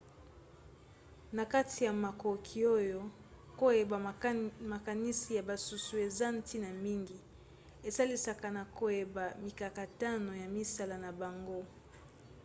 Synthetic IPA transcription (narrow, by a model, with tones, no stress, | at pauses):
na˨ka˦ti˨ja˨ma˨ko˨kʰi˨o˦jo˦ | ko˦je˨ba˨ma˨ka˨ni˦si˨ja˨ba˨su˨su˨e˨za˦n̩˦ti˦na˨mi˦ŋɡi˨ | e˨sa˦li˦sa˨ka˨na˨ko˨je˨ba˨mi˨ka˨ka˨ta˦no˨ja˨mi˦sa˦la˨na˨ba˨ŋɡo˦